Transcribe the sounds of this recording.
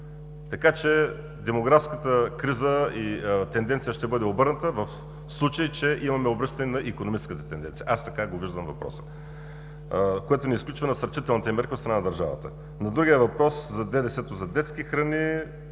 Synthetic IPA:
t̪ɐkat͡ʃɛ | d̪ɛmoɡɾafskət̪əkɾizəit̪ɛnd̪ɛnt̪sijəʃt̪ɛbɤd̪ɛobɤɾnət̪əvɐf | slˠut͡ʃəjit͡ʃɛʔimɐmɛobɾɤʃt̪ɐnɛnɐʔikonomit͡ʃɛ̥skət̪ə̥t̪ɛnd̪ɛnt̪sijɐ̰ʔast̪ɐkaɡoviʒd̪əmvɐpɾɔ̰sə̥ | koɛt̪onɛisklʲut͡ʃvɐnɐsɐɾt͡ʃit̪ɛlˠnit̪ɛmɛɾkʲiot̪st̪ɾɐnaɐd̪ɐɾʒa̰və̰t̪ə̰ | nɐd̪ɾuɡʲiəvɐpɾɔszɐd̪ɛd̪ɛsɛt̪ozɐd̪ɛt̪skʲixɾɐni

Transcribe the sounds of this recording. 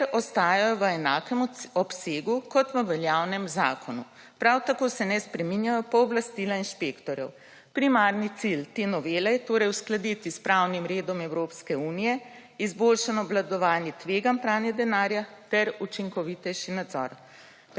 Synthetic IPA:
ɛɾɔst̪aːjajɔʋəɛnaːkɛmɔpseːɡukɔt̪ʋəʋɛljawnɛmzaːkʰɔnṵ | pɾawt̪akoːsɛnɛspɾɛminjajɔpɔːblast̪iːlainʃpekt̪ɔɾjɛ̰w | pɾimaɾnit̪silt̪enɔʋeːlɛjɛt̪oːɾɛjusklad̪it̪ispɾawnimɾeːd̪ɔmɛwɾoːpskɛuːnijɛ | izbolʃanɔblad̪ɔʋaːnjit̪ʋeːɡanpɾaːwnjɛd̪ɛnaːɾjat̪ɛɾut͡ʃiŋkɔʋit̪ɛjʃinad̪zɔ̰ɾ

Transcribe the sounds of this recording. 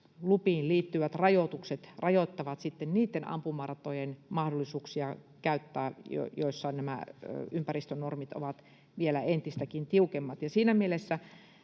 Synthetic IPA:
lupiːnlliːt̪ːyʋæt̪rɑjot̪ukset̪rɑjot̪ːɑʋɑt̪sit̪ːenniːt̪ːenɑ̰mpumɑrt̪ojenmɑhdolːisuːksiɑ | kæyt̪ːæːjo̰joisːɑnæmæ̰ympærist̪ønormit̪o̰ʋɑt̪ | ʋielæent̪ist̪ækint̪iukemːɑt̪jɑsiːnæmielesːæ

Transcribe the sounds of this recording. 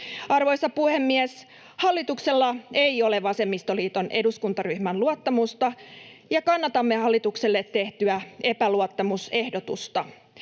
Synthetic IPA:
ɑrʋo̞jsɑpuhe̞mːiɛs | hɑlːit̪ukse̞lːɑejo̞leʋɑse̞mːist̪o̞liːt̪o̞nʔe̞duskunt̪ɑryhmænluɑt̪ːɑmust̪ɑjɑkɑnːɑt̪ɑmːehɑlːit̪ukselːet̪tːe̞ht̪yæe̞pæluot̪ːɑmuse̞hdo̞t̪ust̪ɑ

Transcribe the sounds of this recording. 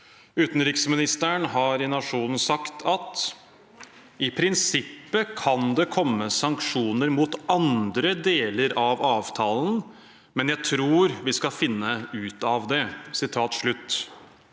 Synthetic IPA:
ʉːt̪n̩ɾɪksmɪnɪst̪əɳɦɑɾɪnɑʂuːnn̩sɑkt̪ʰɑt̪ | ɪpʰɾɪnsɪpːəkʰɑnd̪ɛkʰɔmːəsɑŋkʂuːnəɾmut̪ɑnd̪ɾəd̪eːləɾɑʋɑːʋt̪ʰɑːln̩ | mɛnjæɪt̪ʰɾuːɾʋɪskɑfɪnːəʉːt̪ɑʋd̪ɛsɪt̪ʰɑːt̪ʂɭʉt̪ː

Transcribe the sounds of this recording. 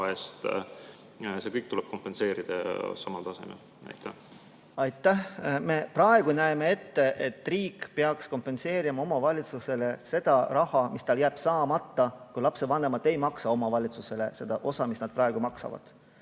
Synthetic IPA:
est̪ | se̞kɤjk̚t̪ulɛb̥̚ko̞mpːˑe̞nse̞ːɾid̪̥ɑ̰sɑmɑlt̪ɑse̞̰mḛl | ɑ̰jt̪ːˑæ | ɑjt̪ːˑæhme̞prɑe̞ɡ̥unæemee̞t̪ːe̞ʔet̪ːˑriːkːpeɑksko̞mpːˑe̞nse̞ːɾimɑo̞mɑvɑlʲit̪suse̞le̞se̞d̪̥ɑrɑhɑmist̪ɑljæːb̥sɑːmɑt̪ːɑkujlɑpsevɑnːe̞mɑd̪̥ˑe̞jmɑksɑo̞mɑvɑlʲit̪suse̞le̞̰se̞d̪̥ɑʔo̞sɑmisnɑd̪̥̚prɑe̞ɡ̥umɑksɑ̰vɑ̰d̪̥

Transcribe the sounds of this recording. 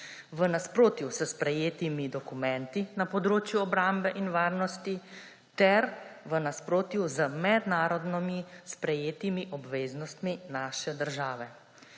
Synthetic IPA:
ʋənaspɾoːt̪jusəspɾɛjeːt̪imid̪ɔkumɛnt̪inapɔd̪ɾoːt͡ʃjuɔbɾambɛʔinʋaːɾnɔst̪i | t̪ɛɾʋənaspɾoːt̪juzəmɛd̪naːɾɔd̪nɔmispɾɛjeːt̪imiʔɔbʋeːznɔst̪minaːʃɛd̪əɾʒaːʋɛ

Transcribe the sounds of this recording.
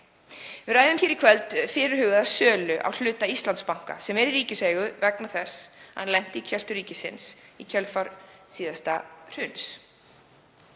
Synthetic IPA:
vɪraːjðʏmçɛːɾɪkʰvɛlt̪fɪːɾɪɾ̥hʏːɣʏðasœːlʏʔa̰wl̥ʏːt̪aist̪lant̪spawŋ̥ka̰sɛmɛɾiɾiːcɪsvɛːjɣʏvɛknaθɛsːha̰nlɛn̥t̪ɪicʰœl̥t̪ʏɾiːcɪsɪ̰nsicʰœlfaɾsiːðast̪ar̥ʏns

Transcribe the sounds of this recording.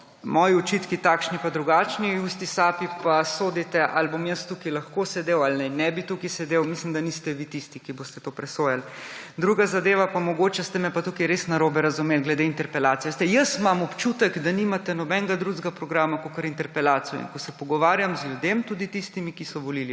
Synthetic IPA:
mɔjiɔt͡ʃit̪kit̪akʃnipad̪ɾuɡaːt͡ʃniust̪isaːpipasoːd̪it̪ɛʔalbomjəst̪ukilaxkosɛd̪eːwalnɛnɛbit̪ukisɛd̪ewmislimd̪anist̪ɛʋit̪ist̪ikibost̪ɛt̪opɾɛsoːjald̪ɾuːɡazad̪eːʋapamɔɡot͡ʃɛst̪ɛmɛpat̪ukiɾesnaɾobɛɾazumeːlɡlɛd̪eint̪ɛɾpɛlaːt̪sijɛst̪ɛjəsmamɔpt͡ʃuːt̪əkd̪aniːmat̪ɛnɔbɛŋɡad̪ɾuzɡapɾɔɡɾaːmakokəɾint̪ɛɾpɛlaːt̪sijɔ̰ḭnkɔsɛpɔɡɔʋaːɾjamzljud̪emt̪uːd̪it̪ist̪imikisɔʋɔlili

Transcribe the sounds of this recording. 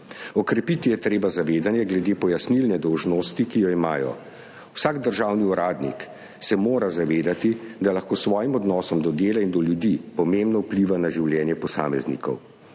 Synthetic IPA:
ɔkɾɛpit̪ijɛt̪ɾeːbazaʋeːd̪anjɛɡlɛd̪eːpɔjasnilnɛd̪ɔwʒnɔst̪ikijɔimaːjɔ̰ | usaːɡd̪əɾʒaːwniuɾaːd̪nḭk | sɛmoːɾazaʋeːd̪at̪id̪alaxkoːsʋɔːjimɔd̪nɔːsɔmd̪ɔd̪eːlaind̪ɔljud̪ipɔmembnɔupliʋanaʒiwljɛːnjɛpɔsa̰ːmɛznḭkɔ̰w

